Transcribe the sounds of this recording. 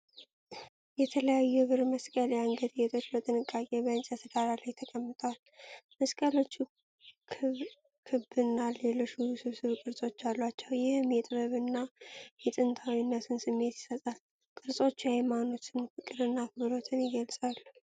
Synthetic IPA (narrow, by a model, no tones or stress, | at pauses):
jɛt̪ʰələjajːuβɨɾməskʼəljaŋɡəd̪jɛt̪ʰot͡ʃlət̪ʼɨnɨkʼːakʼe̞bəɨnt͡ʃʼət̪ʰɨɡaɾalajt̪ʰəkʼəmːɨt̪ʼəwal | məskʼəlo̞t͡ʃː | kʰ | kʰɨbɨnːaleloʃusɨβsɨβkʼɨɾsʼo̞t͡ʃːalːwat͡ʃːɛwjɪhɨmjɛt̪ʼɨβəβɨnːajɛt̪ʼɨnt̪ʰawinːasɨnsɨmːe̞t̪jɪ̥sət̪ʼal | kʼɨɾsʼo̞t͡ʃːhajmano̞t͡ʃːɨnfɨkʼɨɾɨnːakʰɨβɾo̞t̪ʰɨnjɪɡəlsʼalːu